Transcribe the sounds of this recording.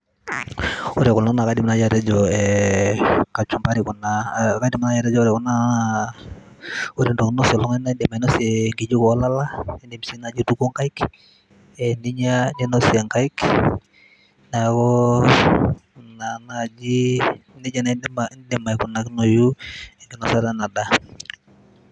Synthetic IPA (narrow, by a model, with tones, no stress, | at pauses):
u˦ɾe˨ku˨na˦na˨ka˦di˨mna˦d͡ʒaɾɛ˦d͡ʒɔɛ | ka˨t͡ʃu˨mba˦ɾiku˨naka˦di˦ma˨na˦ja˨ɾɛ˦d͡ʒo˦u˦ɾɛ˨ku˦na | u˦ɾi˦ndo˨kno˦si˨lɔ˦ŋɛ˦nadɛ˨ma˨i˨no˦siŋɡi˨d͡ʒu˦kla˦la˦ndi˨msi˦na˨d͡ʒi˦tu˦ku˦ŋka˦ik | ɛndiɲadinosiaŋkaik | nakɔ | nanad͡ʒini˦d͡ʒa˨namandima˨jkunaknojueŋɡinosaɾa˦na˨da